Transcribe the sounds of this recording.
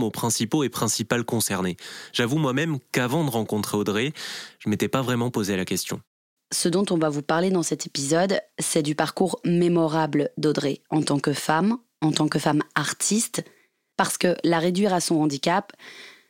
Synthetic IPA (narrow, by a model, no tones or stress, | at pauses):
mopχɛ̃sipoepχɛ̃sipalkɔ̃sɛʁneʒ̥avumwamɛmkavɑ̃d̪əʁɑ̃kɔ̃t̪χeod̪ʁeʒ̥əmet̪ɛpavʁɛmɑ̃pozealakʲɛst̪jɔ̃ | səd̪ɔ̃t̪ɔ̃vavupaʁled̪ɑ̃sɛt̪epizɔd̪sɛd̪ypaʁkuʁmemɔʁabləd̪od̪ʁeɑ̃t̪ɑ̃kəfam | ɑ̃t̪ɑ̃kəfamaʁt̪ʰist̪ | paʁsə̥kəlaʁed̪ɥiʁasɔ̃ɑ̃d̪ikʲap